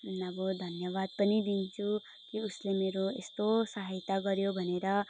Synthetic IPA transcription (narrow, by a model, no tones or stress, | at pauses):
ʌbɔd̪ʱʌnjʌβad̪̚pənid̪int͡ʃʰu | kiuslemeɾoest̪osaɦajt̪aɡʌɾjobʱʌneɾʌ